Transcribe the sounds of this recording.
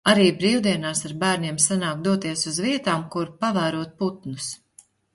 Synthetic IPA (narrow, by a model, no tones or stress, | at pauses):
aɾiːbɾiːwd̪iɛnaːsaɾbæːɾnʲiɛmsanaːkd̪uɔt̪iɛsuzviɛt̪aːmkuɾpavæːɾuɔt̪̚put̪nus